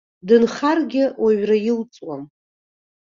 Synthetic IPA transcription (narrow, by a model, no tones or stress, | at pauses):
dɨnχarɡʲɪwaɥrajɪlt͡sʼwam